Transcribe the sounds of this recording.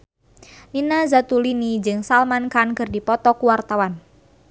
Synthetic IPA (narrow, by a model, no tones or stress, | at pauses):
ninazat̪ulinid͡ʒɨŋsalmankankɨrdipɔt̪ɔkuwart̪awan